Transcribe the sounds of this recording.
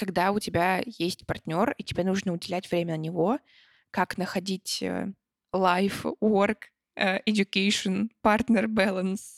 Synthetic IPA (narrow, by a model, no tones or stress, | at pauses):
kɐɡd̪aʊtʲɪbʲajesʲtʲpɐrtʲnʲo̞ritʲɪbʲenuʐnəʊdʲɪlʲætʲv̥ɾʲemʲənənʲɪvo̞ | kaknəxɐdʲitʲə̰ | lˠajfworkː | ɪdʲʊkejʂɨnpart̪nʲərbalˠəns